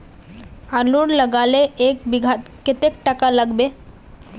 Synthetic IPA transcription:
aluɾləɡaːleʔeːkbɪɡʱat̪kɪt̪ek̚ʈəkaləɡbeː

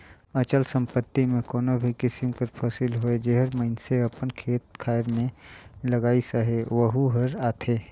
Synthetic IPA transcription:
ət͡ʃəlsə̃mpət̪ːimẽkoːnobʱikɪsɪmkəɾpʰasɪlɦoed͡ʒeɦəɾməɪnseəpənkʰeːt̪̚kʰaːjɾmẽləɡaːisəɦeʋəɦuɦəɾaːt̪ʰeː

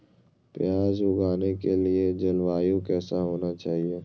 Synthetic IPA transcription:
pjaːzʊɡʱaːnekelied͡ʒɐlʋaːjõkɛːsaɦoːnat͡ʃaːɦieː

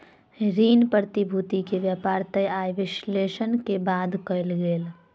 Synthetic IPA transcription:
ɾiːnpɾəɾət̪ibʱuːt̪ikeʋjapaːɾt̪əjaːjʋɪʃleːʃənkebaːd̪kəlɡeːl

